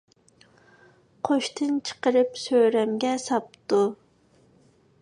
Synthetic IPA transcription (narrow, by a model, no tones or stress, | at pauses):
qʰoʃt̪ʰɨnt͡ʃʰə̥qəɾɨpsøɾɛmɡʲɛsɑp̚t̪u